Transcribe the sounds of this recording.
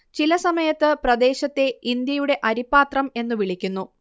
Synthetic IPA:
t͡ɕilɐsɐmɐjɐt̪ːɨprɐd̪e̞ːɕɐt̪ːe̞ind̪jɐjuɽe̞ʔɐɾipːaːt̪rɐme̞nːuʋiɭikʲːunːu

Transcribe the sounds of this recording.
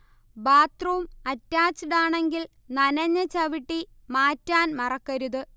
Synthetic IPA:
baːt̪rumɐtːaːt͡ɕːiɽaːɳe̞ŋɡil | nɐnɐɲːɐt͡ɕɐʋiʈːi | maːtːaːnmɐrɐkːɐɾuðɨ

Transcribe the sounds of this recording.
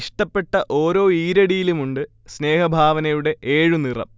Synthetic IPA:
ʂʈɐpːe̞ʈːɐʔo̞ːɾo̞ːiːɾɐɽijilumuɳɖɨ | sne̞ːhɐbʱaːʋɐnɐjuɽe̞ʔe̞ːɻunirɐ̰m

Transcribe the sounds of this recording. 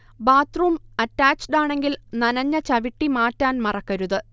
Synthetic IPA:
baːt̪ruːmɐtːaːt͡ɕɖaːɳe̞ŋɡilnɐnɐɲːɐt͡ɕɐʋiʈːimaːtːaːnmɐrɐkːɐɾuðɨ

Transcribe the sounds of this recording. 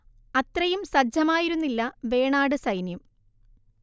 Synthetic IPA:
ɐt̪rɐjumsɐd͡ʑʱɐmaːjiɾunːilːɐʋe̞ːɳaːɽɨsɐjnjɐm

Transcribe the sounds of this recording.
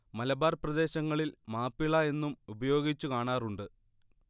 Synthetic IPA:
mɐlɐbaːrprɐd̪e̞ːɕɐŋːɐɭilmaːpːiɭɐe̞nːumubɐjo̞ːɡit͡ɕːukaːɳaːruɳɖɨ

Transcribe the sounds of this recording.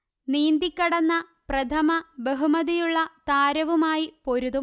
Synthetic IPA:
niːnd̪ikʲːɐɽɐnːɐprɐt̪ʰɐmɐbeɦumɐðijuɭːɐt̪aːɾɐʋumaːjipo̞ɾuðum

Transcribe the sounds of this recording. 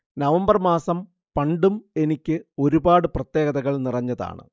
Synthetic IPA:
nɐʋɐmbɐrmaːsɐm | pɐɳɖume̞nikʲːɨo̞ɾubaːɽɨprɐt̪je̞ːɣɐðɐɣɐɭnirɐɲːɐða̰ːɳɨ̰

